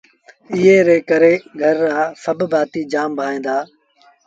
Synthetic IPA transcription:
ɪɦeːɾeːkəɾeːɡʱəɾːaːsəbbʱaːt̪iːd͡ʒaːmbʱaːẽːnd̪aː

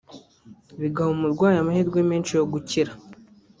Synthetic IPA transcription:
βiɡahumuɾɡwaːjamahiɾɡwemeːnt͡ʃijo̞ɡuciɾa

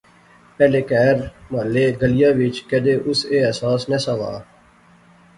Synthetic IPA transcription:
pɛːleːkɛːɾmaːleːɡəlɪjaːʋɪt͡ʃkɛd̪eːʔʊseːɛːsaːsnɛːsaːʋa̰ː

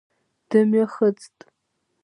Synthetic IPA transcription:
d̥ɨmɛχət͡sʼtʼ

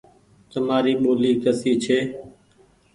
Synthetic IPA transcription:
t̪əmaːɾiːɓoːliːkəsiːt͡ʃʰeː

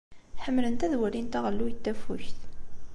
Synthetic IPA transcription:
ħəmːlənt̪æðwælint̪æʁəlːujət̪ːæfʊçθ

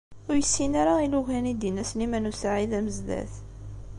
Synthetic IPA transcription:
ʊɾjəsːinaɾailuʝænid̪inæslimænusaʕiðæməzd̪æ̰θ

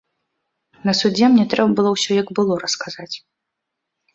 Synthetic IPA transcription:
nɐsud͡zʲɛmnʲɛt̪ɾɛbɐbɨlˠɔwsʲɔjɐɡbɨlˠɔɾɐskazat͡sʲ

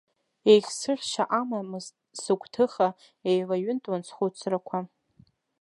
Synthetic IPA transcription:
ejχʲsɨrʲʃaʔamam | sɨkʷʰʼtʰɨχa | ejlaɥʏntʼwant͡sʰχʷut͡sʰrakʷʰa

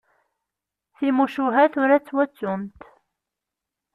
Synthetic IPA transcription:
θimuʃuɦæθuɾæt͡sːwæt͡sːʊnt̪

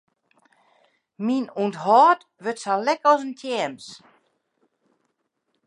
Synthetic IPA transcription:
minunthɔːt | ʋøtsalɛkɔsəntʰjɛːms

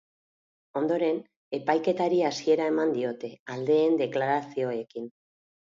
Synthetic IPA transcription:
o̞nd̪o̞ɾe̞n | e̞pajke̞t̪aɾiasie̞ɾae̞mand̪io̞t̪e̞ald̪e̞ːnd̪e̞klaɾasio̞e̞kin

